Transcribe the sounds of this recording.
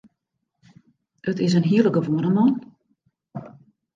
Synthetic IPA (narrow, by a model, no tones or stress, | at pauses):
ətɪs̬ənɦiələɡəʋoənəmɔn